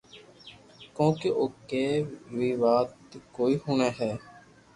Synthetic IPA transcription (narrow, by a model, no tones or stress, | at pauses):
kõːkeʔoːkeːʋiːʋaːt̪koːiːhuːneːɦɛː